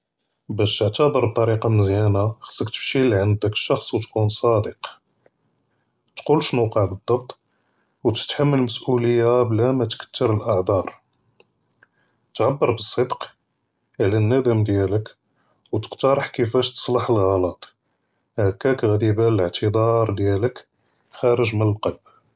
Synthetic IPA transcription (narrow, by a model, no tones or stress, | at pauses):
bæʃt̪əʕt̪ɑd̪ˤəɾˤb̚t̪ˤːɑɾiqɑməzjænaxə̥sːəkt̪ə̥fʃiliʕənd̪əkə̥ʃɑxsˤwt̪kunsˤɑd̪əq | t̪qulʃnuqɑʕbəd̪ˤːɑb̚t̪ˤ | wt̪ə̥t̪ħamːəlməsʔuləjːablæmæt̪kə̥t̪ːəɾəlʔɑʕd̪ˤɑɾˤ | t̪ʕabːəɾˤbəsˤːəd̪q | ʕlænːæd̪əmd̪jælək | wt̪ə̥qt̪ɑɾˤəħkəfæʃt̪ə̥sˤlɑħəlɣɑlɑt̪ˤ | hækːækɣd̪ibaələʕt̪ʰəd̪ˤɑɾˤd̪jælək | xæɾəʒmənəlqɑlb